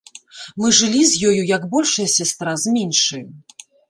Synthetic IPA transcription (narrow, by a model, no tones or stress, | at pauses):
mɨʐɨlʲizʲjɔjujɐɡbɔlʲʂɐjɐsʲast̪ɾazmʲinʂɨjɐ